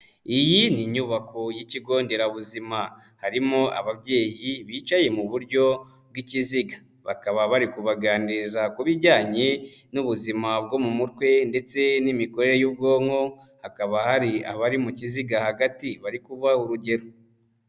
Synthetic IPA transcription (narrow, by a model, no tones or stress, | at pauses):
ijiniɲuβakʰo̞jiciɡo̞ːnde̞ɾauβuzima | haɾimoʔa̰βabɟe̞ːjiβiːt͡ʃaje̞muβuɾɟo̞ | b̚ɡiciziɡḁ | βa̰kaβaβaɾikuβaɡaːniɾzakuβiɾɟaːɲe̞nuβuzimab̚ɡo̞mumutwe̞nde̞t͡se̞nimikoɾe̞ɾejub̚ɡo̞ːŋo̞hakaβahaɾiaβaɾimuciziɡahaɡatiβaɾikuβahuɾuɟe̞ɾo